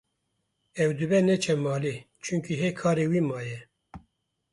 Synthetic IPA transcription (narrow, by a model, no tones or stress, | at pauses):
ɛwd̪ɨbɛnɛt͡ʃʰɛmɑːli | t͡ʃʰɨŋkʰiɦekʰɑːɾewiːmɑːjɛ